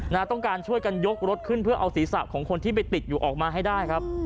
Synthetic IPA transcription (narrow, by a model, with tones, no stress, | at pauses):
naː˧t̪ɔ˥˩ŋkaː˧nt͡ɕʰu˥˩əjka˧njo˦˥k̚ɾo˦˥t̪̚kʰɯ˥˩npʰɯ˥˩ɐʔa˧wsiː˩˦sa˨˩p̚kʰɔː˩˦ŋkʰo˧nt̪ʰiː˥˩p̬a˧jt̪i˨˩t̪̚juː˨˩ʔɔː˨˩k̚maː˧ɦa˥˩jdaː˥˩jkʰa˦˥p̚